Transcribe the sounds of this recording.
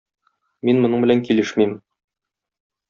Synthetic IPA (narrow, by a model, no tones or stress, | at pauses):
minmŏnɤɴbɘ̆læŋkilɘʃmim